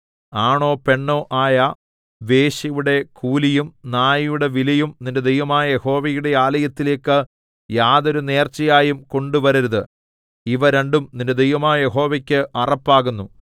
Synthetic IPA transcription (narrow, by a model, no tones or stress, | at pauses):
aːɳo̞ːpe̞ɳːo̞ːʔaːjɐ | ʋe̞ːɕɐjuɽe̞kʰuːlijumnaːjɐjuɽe̞ʋilɐjumninde̞d̪ejʋɐmaːjɐje̞ho̞ːʋɐjuɽe̞aːlɐjɐt̪ːile̞ːkːɨ | jaːðo̞ɾune̞ːrt͡ɕːɐjaːjumko̞ɳɖuʋɐɾiɾɐðɨ | iʋɐɾeɳɖumninded̪ejʋɐmaːjɐje̞ɦo̞ːʋɐkʲːɨʔɐrɐpːaːɣunːu